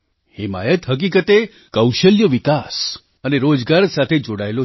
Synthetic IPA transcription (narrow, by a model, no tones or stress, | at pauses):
hima̰jət̪ɦək̬ikət̪e | kəwʃəljəʋikas | əneɾod͡ʒɡaɾsat̪ʰed͡ʒoɽaelo